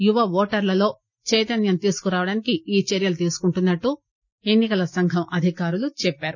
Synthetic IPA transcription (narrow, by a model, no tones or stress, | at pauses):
juʋɐʋɔːʈɐɾlɐlo̞ː | t͡ʃɛjt̪ɐnjɐmt̪iːsu̥kuɾaːʋɐɽaːnikiiːt͡ʃɛɾjɐlɐt̪̬iːsu̥kuɳʈunːɐʈːu | e̞nːikɐlɐsɐŋɡʱɐmʔɐd̪ʱikaːɾulut͡ʃɛpːaːɾu